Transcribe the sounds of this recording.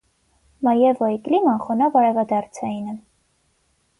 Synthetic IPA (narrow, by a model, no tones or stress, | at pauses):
mɑjɛvɔiklimɑnχɔnɑvɑɾɛvɑd̪ɑɾt͡sʰɑinɛ